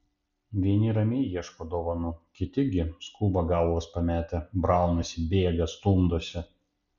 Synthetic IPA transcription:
ʋʲiɛnʲɪɾɐmʲeɪjiɛʃkoːd̪oːʋɐnʊkʲɪt̪ʲɪɡʲɪskuːbɐɡɑˑʊospɐmʲæːt̪ʲɛbɾɑˑʊnosʲɪbʲeːɡɐst̪uːmd̪oɔsʲɪ

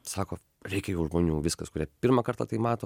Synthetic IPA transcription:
sɑːkoː | ɾʲɛɪkʲɛjɛʊʒmoːnʲuːʋʲɪskɐskʊɾʲiɛpʲɪɾmɐkɐɾt̪ɐt̪ɐɪmɑːt̪oː

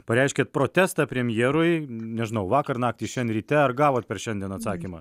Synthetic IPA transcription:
pɐɾʲɛɪʃʲkʲeːt̪̚pɾoːt̪ʲæːst̪ɑpʲɾʲɛmʲjeːɾʊɪnʲɛʒɪnɐʊʋɑːkɐrnɑːk̚t̪ʲiʃʲɛnɾʲiːt̪ʲɛɐrɡɑːʋoːt̪̚pʲɛɾʃʲɛnd̪ʲiɛnɐt̪sɑːkʲiːmɐ

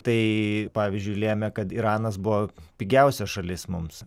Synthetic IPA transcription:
t̪ɐɪpɑːʋʲizʲd͡ʒʲʊɪlʲeːmʲɛkɐt̪iːɾɑːnɐsbʊʋoːpʲiːɡʲɛʊsʲɛsʃɐlʲɪsmʊms

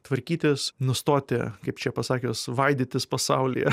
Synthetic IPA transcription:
t̪ʋɐɾʲkʲiːt̪ʲɪsnʊst̪oːt̪ʲɪ̰kɐɪpt͡ʃʲɛpɐsɑːkʲoːsʋɐɪd̪ʲiːt̪ʲɪspɐsɑʊlʲɪ̰jɛ

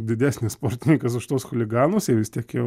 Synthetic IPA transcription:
d̪ʲɪd̪ʲæːsʲnʲɪsspoːrʲt̪ʲɪnʲɪŋkɐs̬ʊʃt̪oːsxolʲɪɡɑːnosjɛʋʲɪst̪ʲiɛkjɛʊ

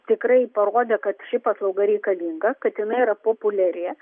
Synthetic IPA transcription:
t̪ʲɪkrɐɪpɐɾoːd̪ʲeːkɐt̪ʃʲɪpɑslˠɐʊɡɐɾʲɛɪkɐlʲiŋɡɐkɐt̪jɪnɐɪiɾɐpoːpʊlʲɛɾʲeː

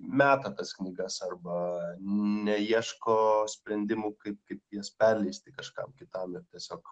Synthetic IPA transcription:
mʲæːt̪ɐt̪ɐsknʲiːɡɐsɐrbɐ | nʲɛiɛʃkoːsʲpʲɾʲɛnʲd̪ʲɪmuːkɐɪp̚kɐɪpjiɛspʲɛrʲlʲɛɪsʲt̪ʲɪkɐʃkɐ̰mkʲɪt̪ɐmɪrt̪ʲiɛsʲoːk

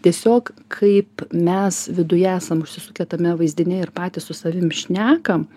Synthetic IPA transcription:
t̪ʲiɛsʲoːkkʰɐɪpmʲɛsʋʲɪd̪ʊjɛæːsɐmʊʃʲsʲɪsʊkʲɛt̪ɐmʲɛʋɐɪzʲd̪ʲɪnʲɛɪɾpɑːt̪ʲɪssʊsɐʋʲɪmʃʲnʲæːkɐm

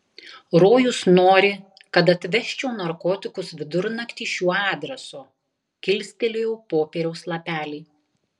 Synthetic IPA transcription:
ɾoːjʊsnoːɾʲɪ | kɐt̪̬ɐt̪ʲʋʲɛʃʲt͡ʃʲoːnɐɾkoːt̪ʲɪkʊsʋʲɪd̪ʊɾnɐkt̪ʲiːʃʲuːɑːd̪ʲɾʲɛsoː | kʲɪlʲsʲt̪ʲelʲejɛʊpoːpʲeːɾʲɛʊslˠɐpʲæːlʲɛɪ

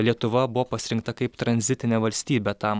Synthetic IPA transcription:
lʲiɛt̪ʊʋɐbʊʋoːpɐsʲɪɾʲɪŋkt̪ɐkɐɪpt̪ɾɐnʲzʲɪt̪ʲɪnʲeʋɐlʲsʲt̪ʲiːbʲɛt̪ɐm

